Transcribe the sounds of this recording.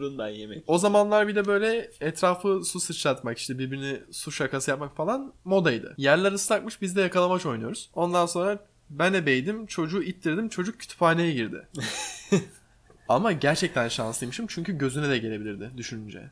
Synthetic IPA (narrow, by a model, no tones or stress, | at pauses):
ɾund̪ajemɛco̞zamanlˠaɾbilʲɛbø̞jlʲɛɛt̪ʰɾaːfɯsusɯt͡ʃlˠat̪maki̥ʃt̪ʰɛbiɾbiɾinɛsuʃakasɯjap̚makfalˠanmo̞d̪ajd̪ɯ̰jæɾlʲæɾɯst̪akmɯʃbizd̪ɛjakʰalˠamat͡ʃʰo̞jnujo̞ɾuz̥o̞nd̪anso̞nɾa | bænd̪ɛbejd̪imt͡ʃʰo̞d͡ʒuːit̪lʲiɾd̪imt͡ʃʰo̞d͡ʒuk̚ːʰy̥t̪ʰy̥paːnejɛɟiɾd̪ɪ̰ | amaɟæɾt͡ʃʰɛc̚t̪ʰænʃa̰nsijmɯʃimt͡ʃʰyɲcyɟø̞zynɛd̪ɛɟe̞lʲe̞bilʲiɾd̪ɪd̪yʃynynd͡ʒɛ̰